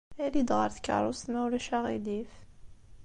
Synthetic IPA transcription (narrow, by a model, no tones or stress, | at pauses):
ælid̪ʁə̰ɾθkːə̰ɾˤosmæwɾæʃæʁḭlif